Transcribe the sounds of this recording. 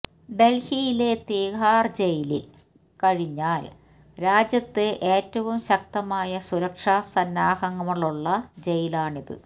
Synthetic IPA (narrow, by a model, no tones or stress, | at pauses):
be̞lhijile̞t̪iːɣʱaːrd͡ʑejlḭ | kɐɻiɲːaːl | ɾaːd͡ʑjɐt̪ːɨʔe̞ːtːɐʋumɕɐk̚t̪ɐmaːjɐsuɾɐkʂaːsɐnːaːɦɐŋːɐmɐɭuɭːɐd͡ʑejilaːɳiðɨ̰